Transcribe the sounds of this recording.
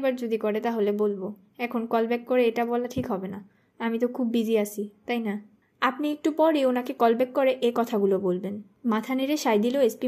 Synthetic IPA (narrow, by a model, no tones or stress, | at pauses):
baɾd͡ʑod̪ikɔɾet̪aɦolebolbo | ɛkʰonkɔlbɛkːɔɾeeʈabɔlaʈʰikɦɔbena | amit̪okʰubːid͡ʑʱiasʰit̪ajna | apniek̚ʈupɔɾeonakekɔlbɛkːɔɾeʔekɔt̪ʰaɡulobolben | mat̪ʰaniɾeʃajd̪iloespi